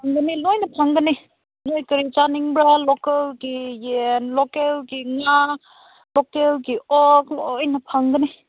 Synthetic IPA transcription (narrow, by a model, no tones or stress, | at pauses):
pʰaŋɡənilojnɐpʰaŋɡəni | nojkəɾit͡ʃaniŋbɾalokəlɡijenlɔkelɡiŋa | lokelɡiʔɔklojnɐpʰaŋɡəni